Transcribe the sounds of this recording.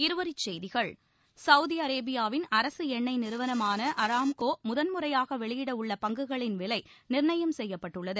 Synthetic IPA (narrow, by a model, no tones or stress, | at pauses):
ɪɾɯʋɐɾɪt͡ʃːɛjðɪɣɐɭ | sɐʊðɪɐɾeːbɪjaːʋɪnɐɾɐsɯɛɳːɐɪnɪɾɯʋɐnɐmaːnɐʔɐɾaːmkoːmʊðɐnmɯrɐjaːɣɐʋɛɭɪjɪɽɐʊɭːɐpɐŋɡɯɣɐɭɪnʋɪlɐɪnɪrɳɐjɐmsɛjːɐpːɐʈːɯɭːɐðɯ